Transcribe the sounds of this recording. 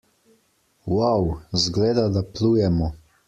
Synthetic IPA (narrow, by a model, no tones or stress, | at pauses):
wawzɡleːd̪ad̪aplujɛmɔ